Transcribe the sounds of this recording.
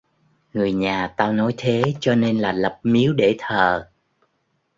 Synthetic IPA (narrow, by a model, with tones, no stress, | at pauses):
ŋɨ˨˩əjɲaː˨˩t̪aː˧wnɔ˨˦jt̪ʰe˨˦t͡ɕɔ˧ne˧nlaː˨˩lə˨˩p̚mi˨˦əwɗe˧˩t̪ʰəː˨˩